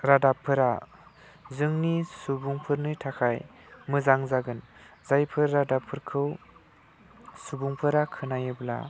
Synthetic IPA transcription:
ɾadapʰːɯɾa | zɯŋnisubuŋpʰɯɾnɯtʰakʰaj | mɯzaŋzaɡɯnzajpʰɯɾːadapʰːɯɾkʰɯw | subuŋpʰɯɾakʰɯnajɯbla̰

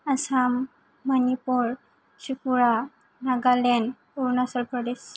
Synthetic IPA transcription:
asamː | anipuɾ | sukuɾa | naɡalen | uɾnasəlpɾɔd̪es

